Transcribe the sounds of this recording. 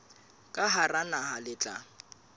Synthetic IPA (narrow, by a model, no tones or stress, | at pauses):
kʼaɦaranaɦalɪt͡ɬʼa̰